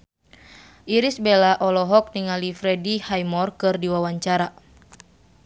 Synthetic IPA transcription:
ʔiɾisbelaʔɔlɔɦɔk̚niŋalifɾɛdihajmɔrkɨrdiwawaɲt͡ʃaɾa

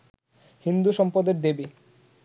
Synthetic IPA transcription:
hind̪uʃɔmpod̪eɾd̪ebe

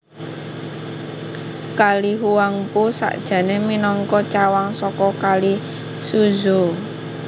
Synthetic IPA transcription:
kaliɦuwaŋpusa̰ʔd̥ʒ̥ä̤neminɔŋkɔt͡ʃawaŋsɔkɔkali | suzo

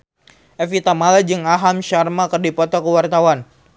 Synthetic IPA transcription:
ʔɛfit̪amalad͡ʒɨŋaɦamʃarmakərdipɔt̪ɔkəwart̪awan

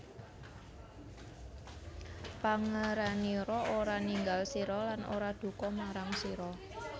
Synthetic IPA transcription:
paŋəɾaniɾɔʔoɾaniŋɡalsiɾɔlano̰ɾad̪̥ṳkɔmaɾaŋsiɾɔ

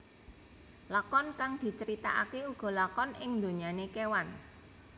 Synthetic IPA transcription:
lakɔnkaŋd̪̥i̤t͡ʃəɾit̪a̰ʔa̰keuɡ̥ɔ̤lakɔnɪŋd̪o̤ɲanekewan

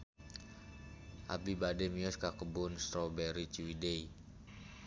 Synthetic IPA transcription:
ʔa̰bibadɛmiɔskakəbʊnst̪ɾobɛɾit͡ʃwidei

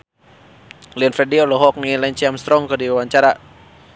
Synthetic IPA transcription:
liɔnfɛdiɔlɔɦɔk̚nilanɲt͡ʃiamst̪ɾɔŋkərdiwewaɲt͡ʃaɾa

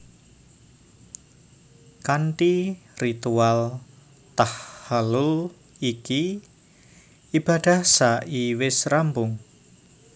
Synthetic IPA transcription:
kanʈirit̪ual | t̪ahːalʊl | iki | ib̥a̤d̥a̤hsaʔiwɪsrambʊŋ

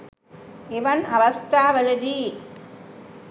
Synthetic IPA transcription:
ɪʋɐnɐʋɐst̪aːʋɐlɐd͡ʒi

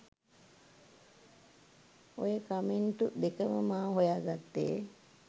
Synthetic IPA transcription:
ojəkamiɳʈud̪ekəməmaːɦojaːɡat̪ːḛː

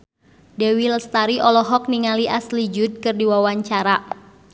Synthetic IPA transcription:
dɛwilst̪aɾiʔɔlɔɦɔk̚niŋaliʔaslid͡ʒud̪̚kɨrdiwawaɲt͡ʃaɾa

